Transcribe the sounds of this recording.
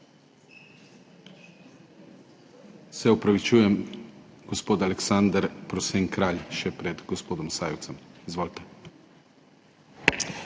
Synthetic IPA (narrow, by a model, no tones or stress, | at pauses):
sɛupɾaʋit͡ʃuːjɛmɡɔspoːt̪alɛksand̪ɾpɾɔseːŋkɾaːʎʃɛpɾɛd̪ɡɔspoːd̪ɔmsaːjɛwt̪sɛmizʋoːlt̪ɛ̥